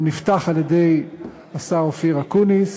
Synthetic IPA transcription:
nift̪aχaljed̪ej | asaʁofiʁakunis

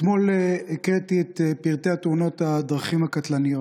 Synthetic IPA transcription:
t̪mo̞lekʁet̪iet̪piʁt̪eat̪uno̞t̪ad̪ʁaχimhakat̪lanijo̞t

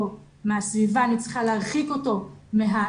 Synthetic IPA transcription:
o | measvivaːnit͡sχaleaχiko̞to̞meɦa

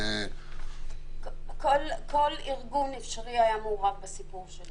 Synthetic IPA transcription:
kolkʰoliʁɡunifʃaʁiajamoːʁavbesipuʁʃel

